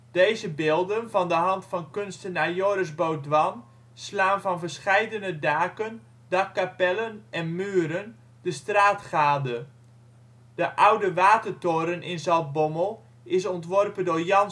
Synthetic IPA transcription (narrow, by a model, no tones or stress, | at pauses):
d̥ejzəbɪːlˠdənvɔndəɦɑntfɑnkønstənajoɾəsbowdʋɑn | slaːnvɔnvərsχɛjdənədaːkən | dɑkːapɛlənɛnmyːəɾən | d̥əstraːtχaːdə | d̥əʔawdəʋaːtərtoɾənʔɪnzɑlˠt̚boməlˠ | ɪsɔntʋɔrpəndoːrjɑn